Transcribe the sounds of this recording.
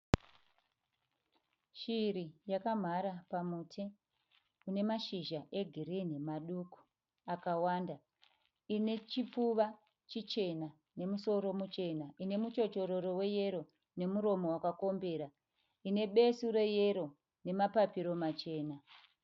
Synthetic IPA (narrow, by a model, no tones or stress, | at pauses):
ʃiɾijakam̤aɾapamutʰi | une̞maʃiʒaʔe̞ɡʱiɾinemaɗuku̥ | akawaːnda | ine̞t͡ʃipuʋa | t͡ʃit͡ʃe̞na | ne̞muso̞ɾo̞mut͡ʃe̞naine̞mut͡ʃo̞t͡ʃo̞ɾo̞ɾo̞we̞je̞ɾo | ne̞muɾo̞mo̞wakako̞mbe̞ɾa | ine̞ɓe̞suɾe̞je̞ɾo̞ | ne̞mapapiɾo̞mat͡ʃe̞ːna